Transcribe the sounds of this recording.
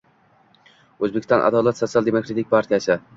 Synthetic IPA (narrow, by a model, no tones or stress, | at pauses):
ɵzbekʲɪ̥st̪ɒnʔa̰d̪ɒlˠat̪sot̪sialˠd̪emokɾat̪ʰɪk̚ʲpʰaɾt̪ʰijasɪ